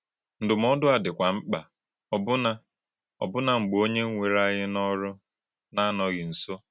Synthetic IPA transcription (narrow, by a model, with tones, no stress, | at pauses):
n̩˦dʊ˨m̩˦ɔ˦dʊ˦a˨dɪ˨kʷa˨ŋ͡m̩˦k͡pa˨ | ɔ˨bʊ˦na˦ | ɔ̰˨bʊ˦na˨ŋ͡m̩˨ɡ͡bo˦ɲe˦ŋ̩˦ŋʷe˨ɾa˦ɲɪ˦nɔ˦ɾʊ˦ | na˦nɔ˨ɣɪ˨n̩˨so˦